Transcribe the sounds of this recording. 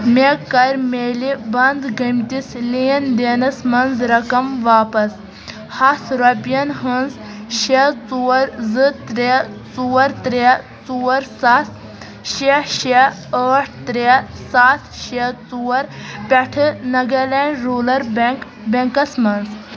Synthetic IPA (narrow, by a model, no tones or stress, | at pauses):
mekːɐɾʲmeːlibɐnd̪ɡɐmt̪isliːnd̪eːnɐsmɐnzɾɐkɐmʋaːpɐs | hɐsɾɐpijɐnɦɐnz | ʃet͡suːɐɾzɨt̪ɾet͡suːɐɾt̪ɾe | t͡suːɐɾsas | ʃeʃeəːʈʰt̪ɾesat̪ʰʃet͡suwɐɾpʲɐʈʰɨnɐɡɐlaːɳɖɾoːlɐɾbk | bʲɐŋkɐsmɐnz